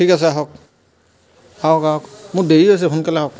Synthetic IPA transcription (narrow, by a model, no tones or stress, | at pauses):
tʰikas̬ɛaɦɔk̚ | aɦɔkaɦɔkmʊdeɹias̬ɛkʰunkalɛaɦɔk̚